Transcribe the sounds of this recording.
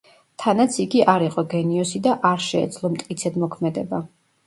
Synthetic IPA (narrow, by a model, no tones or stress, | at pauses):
t̪ʰanat̪sʰiɡiʔaɾiqʼɔɡɛniɔsid̪aʔaɾʃɛ̰ːd̪zlˠɔmt̪ʼkʼit̪sʰɛd̪mɔkʰmɛd̪ɛba